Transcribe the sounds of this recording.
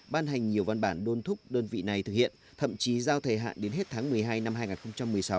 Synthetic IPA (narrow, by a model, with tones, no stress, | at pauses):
ɓaː˧nɦa˨˩jŋ̟ɲi˨˩əwva˧nɓaː˧˩nɗo˧nt̪ʰʊ˦˥k͡p̚ɗəː˧nvḭ˧˨na˨˩jt̪ɨ˨˩k̚hḭ˧˨ənt̪ʰə̰˧˨mt͡ɕi˨˦zaː˧wt̪ʰə˨˩ɦa̰ː˧˨nɗe˨˦nɦe˦˥t̚t̪ʰaː˨˦ŋmɨ˨˩əjɦaː˧jna˧mhaː˧jŋaː˨˩xə˧wŋ͡mt͡ɕa˧mːɨ˨˩əjsa˨˦w